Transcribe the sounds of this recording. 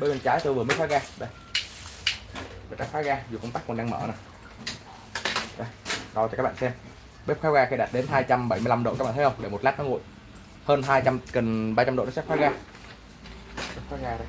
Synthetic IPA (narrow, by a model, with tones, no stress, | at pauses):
ɓə˧mə˨˩t͡ɕaː˨˦jt̪o˧jvɨ˨˩m˨˦˥txwaː˨˦˥ɣaː˧ɗə˧˩j | vɨː˨˩t͡ɕa˦˥xwaː˨˦˥ɣaː˧zu˨˩kə˧wŋ͡mt̪aː˦˥kːɔ˨˩nɗaː˧ŋməː˧˩na˨˩j | ɗə˧jɗkːa˦˥ɓa̰ː˧˨sɛ˧m | ɓe˦˥p̚xwaː˦˥ɣaː˧xi˧˩ɗaː˨˩t̚ɗe˨˦nɦaː˧jt͡ɕa˧mɓə˧˩jmɨ˧la˧mɗo̰˧˨ka˦˥k̚ɓa̰˧˨˦hə˧wŋ͡mɗe˧˩mo˨˩t̚laː˦˥t̚nɔ˨˦ŋṵ˧˨j | həː˧nɦaː˧jt͡ɕa˧mkə˨˩ŋɓaː˧t͡ɕa˧mɗo̰˧˨nɔ˨˦sɛː˦˥xaː˨˦˥ɣaː˧ | m˦˥t̚xwaː˦˥ɣaː˧ɗə˨˧˩